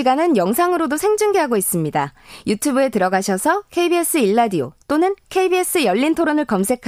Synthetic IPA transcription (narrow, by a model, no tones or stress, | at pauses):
iɡanɯnjʌŋsʰaŋɯɾodosʰe̞ŋd͡ʑɯŋɡeɦaɡois͈ɯmɲidajutʰubɯe̞tɯɾʌɡaɕʰʌsʰʌkʰe̞ibies͈ɯiɭːadio̰t͈onɯnkʰe̞ibie̞s͈ɯjʌʎːintʰoɾonɯɭkʌmsʰe̞kʰ